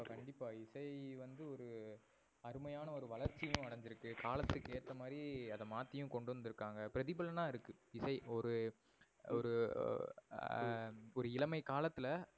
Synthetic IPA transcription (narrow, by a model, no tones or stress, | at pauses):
kɐɳɖɪpːaːɪsɐɪʋɐnd̪ɯɔɾɯ | ɐɾɯmɐjaːnɐɔɾɯʋɐlɐɾt͡ʃːɪjɯ̃ɐɽɐɲd͡ʒɪɾɯkːɯkaːlɐt̪ːɯkːeːʈt̪ːɐmaːd̪ɾiɐðɐmaːt̪ːɪjʊ̃kɔɳɖɯʋɐnd̪ɪɾɯkːaːŋɡɐpɪɾɐðɪbɐlɐnãːɪɾɯkːɯɪsɐɪɔɾɯ | ɔɾɯ | ɔɾɯɪlɐmɐɪkaːlɐt̪ːɪlɐ